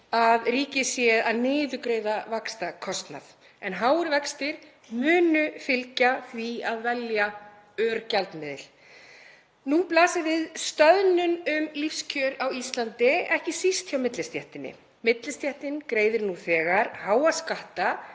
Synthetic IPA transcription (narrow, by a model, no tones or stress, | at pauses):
aðriːcɪsjɛðaðnɪːðʏkɾejðavakst̪akʰɔst̪na̰θ | ɛnɦawʏɾvɛkst̪ɪɾ̥ | mʏːnʏfɪlcaθviaðvɛlja | œːɾcalt̪mɪːðɪ̰l̥ | nuplaːsɪvɪðst̪œðnʏnʏmlifscʰœɾawist̪lant̪ɪɛhcɪsist̪çjawmɪt̪lɪst̪jɛht̪ɪnːɪ̰ | mɪt̪lɪst̪jɛht̪ɪnkɾeːjðɪɾnuθɛːɣaɾ̥haːwaskaht̪a